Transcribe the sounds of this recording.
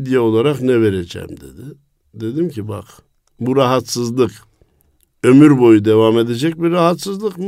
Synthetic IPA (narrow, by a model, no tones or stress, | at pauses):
d̪ijɛo̞lˠaɾaqnɛve̞ɾed͡ʒɛ̰md̪e̞̰d̪ɪ | d̪e̞d̪imciba̰q | buɾaɦat̪sɯzlˠɯk | ø̞myɾbo̞jud̪evame̞d̪e̞d͡ʒɛc̚biɾːaɦat̪sɯzlˠɯkm